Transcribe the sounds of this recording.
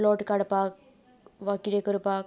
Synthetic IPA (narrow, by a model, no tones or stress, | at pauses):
loːʈːɨkɐɽɐpːaːk | ʋɐkːiɾekɐɾɯpːaː